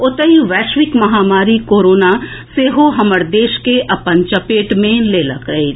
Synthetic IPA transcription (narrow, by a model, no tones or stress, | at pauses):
ʊt̪əiʋɛːʃʋɪkmɐɦaːmaːɾikoːɾoːnaseːɦoɦɐməɾd̪eːʃkeʔɐpənt͡ʃɐpeːʈmẽleːlɐkəi